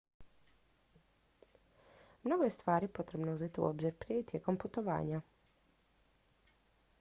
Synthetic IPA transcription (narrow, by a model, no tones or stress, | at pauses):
mnoːɡɔjest̪ʋaːɾipot̪ɾebnouzeːt̪iṵʔo̰ːbziɾpɾet̪jeːkomput̪oʋa̰ːɲa